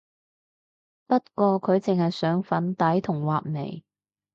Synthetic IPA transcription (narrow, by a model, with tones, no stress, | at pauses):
pɐ˥t̚kʷɔː˧kʰɵ˨˧ɥt͡sɪ˨ŋhɐ˨jsœː˨˥ŋfɐ˨˥nt̪ɐ˨˥jt̪ʰʊ˨˩ŋwaː˨p̚nḛ˨˩j